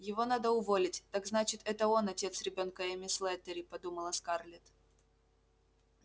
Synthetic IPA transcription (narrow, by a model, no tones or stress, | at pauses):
jɪvo̞nad̪əʊvo̞lʲɪtʲt̪aɡznat͡ɕɪt̪ɛt̪əo̞nɐtʲe̞t̪sɾʲɪbʲo̞nkəɛmʲɪslˠɛt̪əɾʲɪpɐd̪uməlˠɐskarlʲɪt̪